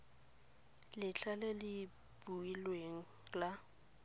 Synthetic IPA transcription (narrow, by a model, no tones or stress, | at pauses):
lɪt͡ɬʰalɛlɪ | b̥uilweŋ̩ | la